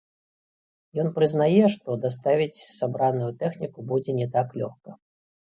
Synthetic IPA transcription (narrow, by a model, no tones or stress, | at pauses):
jɔnpɾɨznajɛʂt̪ɔd̪ast̪avʲit͡sʲsabɾanujut̪ɛxnʲikubud͡zʲɛnʲɛt̪aklʲɔxkɐ